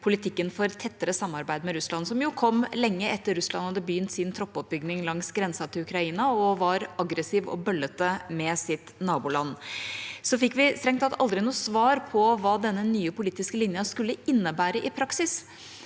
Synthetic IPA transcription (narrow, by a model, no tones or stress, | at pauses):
pʰʊlɪt̪ʰɪkːənfɔɾt̪ʰɛt̪ːəɾəsɑmːɑɾbæɪd̪mɛɾʉslɑnsɔmjʊkʰɔmːlɛŋːəɛt̪ːəɾʉslɑnhɑd̪ːəbjʏnt̪sɪnt̪ʰɾɔpːɔp̚bʏɡnɪŋlɑŋsɡɾɛnsɑt̪ʰɪlʉkɾɑiːnɑɔʋɑɾɑɡɾəsiːʋɔ̰bœlːət̪əmɛsɪt̪nɑːbuːlɑnː | sɔfɪkːʋɪst̪ɾɛŋt̪hɑt̪ɑ̰ld̪ɾɪnuːsʋɑːɾpʰɔʋɑːd̪ɛnːənyːəpʊliːt̪ɪskəlɪnjɑskʉlːəɪnːəbæːɾəʔɪpʰɾɑksɪs